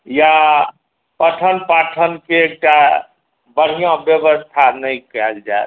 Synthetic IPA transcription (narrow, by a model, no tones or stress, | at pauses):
ja | pəʈʰənpaʈʰənkeek̚ʈa | bəɽ̤ijõbjəbəst̪ʰanəjkɛld͡ʒaet̪